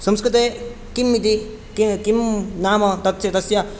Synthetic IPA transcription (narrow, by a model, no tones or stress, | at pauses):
sʌmskɾit̪e | kimːit̪i | kikimnaːmʌt̪ʌt̪sʰjɐt̪ɐsja